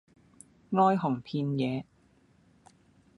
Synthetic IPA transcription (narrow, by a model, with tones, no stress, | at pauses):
ŋɔː˥jɦɔ˨˩ŋpʰiː˧njɛː˨˦